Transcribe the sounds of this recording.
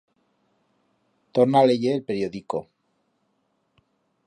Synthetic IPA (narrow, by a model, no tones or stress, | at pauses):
t̪oɾnaleʝelpeɾjoðiko̰